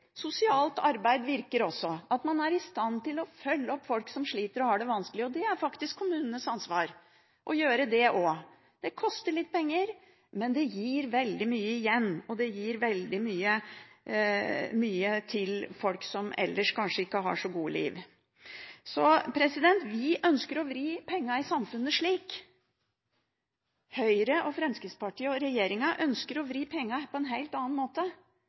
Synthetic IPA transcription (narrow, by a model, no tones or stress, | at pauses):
sʊsɪɑːlt̪ɑɾbæɪd̪ʋɪɾkəɾɔsːɔɑt̪mɑnæɾɪst̪ɑnt̪ɪlɔfœlːəɔpːfɔlksɔmʂɭiːt̪əɾɔhɑːɖɛʋɑnskəlɪəɔd̪ɛæɾfɑkt̪ɪskʰːʊmʉːnənəsɑnsʋɑːɾ | ʔɔjøːɾəd̪ɛʔɔ | d̪̥ɛkʰɔst̪əɭɪt̪ːpʰɛŋːəɾ | mɛnd̪ɛjiːɾʋɛld̪ɪmyːəɪjɛnːɔd̪ɛjiːɾʋɛld̪ɪmyːə | myːət̪ʰɪlfɔlksɔmɛ̰lːəʂkʰɑnʂəɪkːəɦɑ̰ʂɔɡuːəlḭːʋ | sɔpʰɾɛsɪd̪ɛnt̪ʋɪʔœnskəɾɔʋɾiːpʰɛŋːɑɪsɑmfʉnːəʂɭiːk | hœʏɾəʔɔfɾɛmskəspɑʈiːəɔɾɛjeːɾɪŋɑʔœnskəɾɔʋɾiːpʰɛŋːɑpʰɔɛnɦæɪlt̪ɑːɑnmoːt̪ə